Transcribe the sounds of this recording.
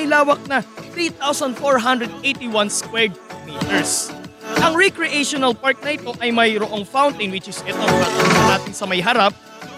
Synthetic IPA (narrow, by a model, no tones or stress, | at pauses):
ɪlaːwɐk̚nɐt̪ɾiːt̪awsɐnd̪foɹɦand̪ɾɛd̪̚ʔejt̪iwanskwɛɹɡmiːt̪ɛɹsʔɐŋɹɪkɾɪʔeʃonɐlpaɹk̪̚nɐʔɪt̪o̞ʔɐjmɐjɾoʔo̞ŋfawnt̪ɐjnwɪt͡ʃɪsɪt̪omɐnɐʔalɐnaːt̪ɪnsɐmɐjɦɐɾap̚